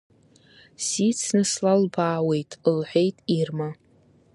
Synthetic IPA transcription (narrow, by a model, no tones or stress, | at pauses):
sit͡sʰnɨslalbaːwe̞jtʼlħʷᶣe̞jtʼirma